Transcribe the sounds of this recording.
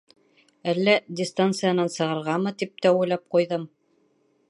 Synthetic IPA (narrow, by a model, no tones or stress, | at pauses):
ælːæd̪ʲɪst̪ant̪sɨjanɑnsɤ̆ʁɤ̆ɾʁɑmɤt̪ip̚t̪æulæp̚qujðɤm